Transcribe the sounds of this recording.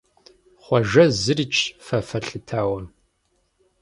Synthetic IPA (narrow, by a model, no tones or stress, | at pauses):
χʷɔʒɐzɨrit͡ʃʰʼfɐfɐɬɨtʰaːwɐn